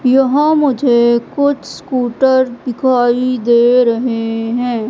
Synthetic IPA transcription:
jɐɦãmʊd͡ʒʱekʊt͡ʃʰskuːʈəɾd̪ɪkʰaːid̪eːɾɐɦeɦɛ̃ː

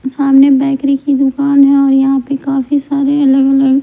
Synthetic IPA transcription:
saːmnebɛːkɾikid̪ʊkaːnɦɛ̃ɔːɾjɐɦãpekaːfisaːɾeɐləɡɐləɡ

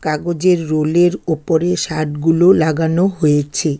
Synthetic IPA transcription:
kaɡod͡ʑeɾːoleɾopoɾeʃaʈɡulolaɡanoɦojet͡ɕʰe

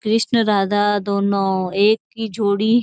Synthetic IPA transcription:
kɾɪʃnɾaːd̪ad̪oːnõːeːkːid͡ʒʱoːɽiɦ

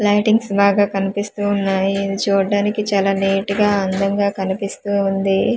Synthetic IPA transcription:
lɐjʈiŋɡsbaːɡaːkɐnipist̪uːnːaːjit͡ʃuːɖaːnikit͡ʃaːlaːneːʈiɡaːɐnd̪ɐŋɡaːkɐnipist̪uːund̪i

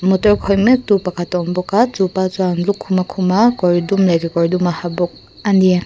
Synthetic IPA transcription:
mutɔɾkʰɔjmetupakʰatɔmbɔkatupazuanlukʰːumakʰumakɔɾidumlajɡikɔɾdumahabɔk̚ | andija

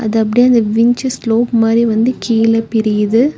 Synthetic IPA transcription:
ɐ̰ðɯɐp̬ːɐɽijɐnd̪ɐʋɪɲt͡ʃɐsloːpmaːd̪ɾiʋɐnd̪ɯkiːlɐpɪɾɪjðɯ

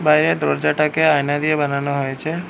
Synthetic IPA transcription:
bajɾed̪ɾoɽd͡ʒaʈakeajnad̪iebananoɦojet͡ʃʰe

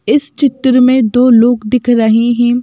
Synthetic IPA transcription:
ɪst͡ʃɪt̪ɾəmẽd̪oːloːɡd̪ɪkʰɾɐɦeɦɛ̃

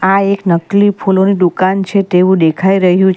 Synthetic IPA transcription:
aeknəklipʰuloniɖ̪ukant͡ʃʰet̪eʋũd̪ekʰaiɾəɦjũt͡ʃ

